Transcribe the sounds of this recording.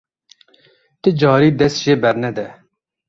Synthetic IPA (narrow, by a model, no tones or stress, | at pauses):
t̪ɨd͡ʒɑːɾiːd̪ɛst̪ʒeːbɛɾnɛd̪ɛ